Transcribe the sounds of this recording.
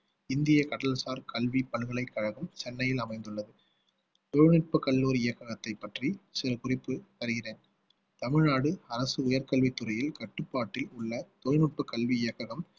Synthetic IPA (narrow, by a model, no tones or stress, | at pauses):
ɪnd̪ɪjɐkɐɽɐlsaːɾkɐɭʋipɐɭɣɐɭɐɪkːɐɻɐɣɯmt͡ʃɛnːɐjɪlɐmɐɪnd̪ɯɭːɐðɯ | t̪ɔɻɯnɪʈ̚pɐkːɐɭːuːɾɪjɐkːɐɣɐt̪ːɐɪpːɐʈrisɪɾɐkʊrɪpːɯʋɐɾɯɣɪreːn | t̪ɐmɪɻnaːɽɯɐɾɐsɯʊjɐɾkɐɭʋit̪ːʊrɐjɪlkɐʈːɯpːaːʈːɪlʊɭːɐt̪ɔɻnɪʈ̚pɐkːɐlʋiɪjɐkːɐɣɐm